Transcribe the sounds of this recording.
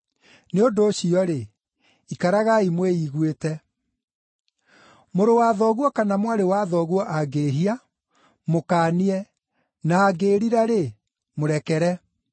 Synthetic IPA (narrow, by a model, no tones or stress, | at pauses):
neondoːɕiɔɾe | ikaɾaɣaimweiɣwetɛ | moɾowaðɔɣwɔkanamwaɾewaðɔɣwɔʔaɡeɦia | mokaːniɛ | naːɡeːɾiɾaɾe | moɾɛkɛɾɛ